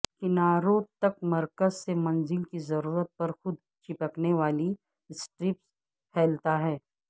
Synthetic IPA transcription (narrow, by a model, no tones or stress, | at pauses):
kɪnaːɾoːt̪ɐkmɐɾkəzsemɐ̃nzɪlkizɐɾuːɾət̪̚pɐɾxʊd̪ | t͡ʃɪpəkneʋaːli | sʈɾɪp̚s | pʰɛːlt̪aɦɛː